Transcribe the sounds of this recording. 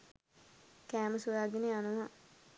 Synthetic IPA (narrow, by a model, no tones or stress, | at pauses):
kæːməsujaɡeneanuʋa